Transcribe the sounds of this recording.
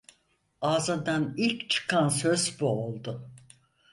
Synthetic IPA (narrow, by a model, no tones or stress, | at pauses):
aːzɯnd̪anilʲct͡ʃʰɯ̥kʰansøzbuolˠd̪ʊ